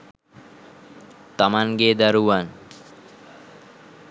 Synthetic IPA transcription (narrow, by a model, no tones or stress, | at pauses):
t̪amanɡed̪aɾuan